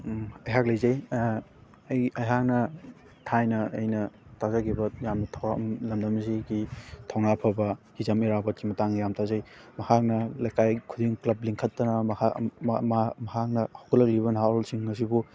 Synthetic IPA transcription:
ɐjɦak̚lɐjzɐj | ɐjɐjɦak̚nɐ | tʰajnɐɐjnɐtazakʰibɐjamnɐtʰmlɐmdɐmziɡitʰɔwnapʰɐbɐhizɐmiɾabɐt̚kimɐtaŋjamtʰazajmɐhak̚nɐlajkajkʰudiŋklɐbliŋkʰɐtːɐnɐm | mɐhak̚nɐhawkʰulɐk̚liβɐnɦaɔlsiŋːɐs̬ibu

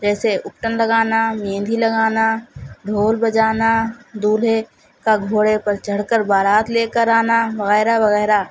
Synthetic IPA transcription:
d͡ʒɛːseʔʊk̚ʈənləɡaːnamẽːnd̪ʱiləɡaːnaɖʱoːlbəd͡ʒaːnad̪uːle | kaɡʱoːɽepəɾt͡ʃəɽkəɾbaːɾaːt̪leːkəɾaːnabəɣɛːɾabɐɣɛːɾa

